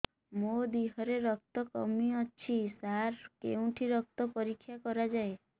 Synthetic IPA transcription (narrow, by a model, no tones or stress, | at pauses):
mod̪iɦɔɾeɾɔk̚t̪ɔkɔ̰miɔt͡ʃʰisaɾkḛũʈʰiɾɔk̚t̪ɔpɔɾikʰːjakɔɾad͡ʒae